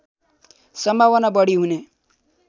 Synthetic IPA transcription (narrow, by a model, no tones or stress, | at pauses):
sʌmbʱawʌnabʌɽiɦune